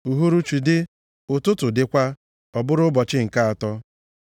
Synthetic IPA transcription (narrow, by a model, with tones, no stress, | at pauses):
u˨ɦu˦ɾu˦t͡ʃi˨dɪ˦ | ʊ˨tʊ˦tʊ˨dɪ˦kʷa˦ | ɔ˨bʊ˦ɾʊ˦bɔ˨t͡ʃɪ˦ŋ̩˨ka˦a˨tɔ˦